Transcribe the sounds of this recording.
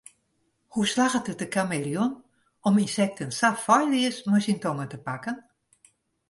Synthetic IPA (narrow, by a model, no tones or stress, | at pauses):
huslaɣətət̚əkʰamerjun | ɔminsɛk̚tənsafɔjliəsmɔjsintɔŋətəpakən